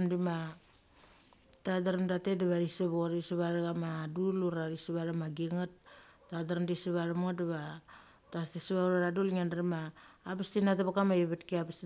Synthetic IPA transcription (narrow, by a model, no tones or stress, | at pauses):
dima | tadaɾamdatedeβaɾiseβoɾisiβaɾaɡamaduluɾaɾisiβaɾamaɡiŋat̚ː | adaɾamdisiβaɾamŋadaβa | tatesiβauɾaɾadulŋandaɾimaːpastinatapakamaiβetkiapas